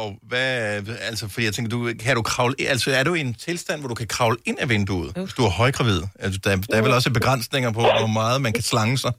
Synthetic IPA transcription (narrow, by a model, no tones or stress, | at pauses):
ɒ̽ʋæælsɒfɒ̽dḭːjaɪt͡sʰeŋɡ̥ɐdukʰæɾ̥ukʰʁɑ̈ʊləʔælsɒæɐɾeent͡sʰe̝lsd̥æn̰ʋɒd̥ukʰækʰʁɑ̈ʊləe̝n̰æʋend̥ṵð̩ˠe̝sd̥uæɐhɒ̽ɪɡ̥ʁɑ̈ʋið̞̰ˠæd̥d̥ɑæɐʋelɒ̽s̬əb̥e̝ɡ̥ʁɑn̰sne̝ŋɐpʰɒ̽ʋɒmɑ̈ːð̞̩ˠmænkʰæslɑ̈ŋəsɑ̈ɪ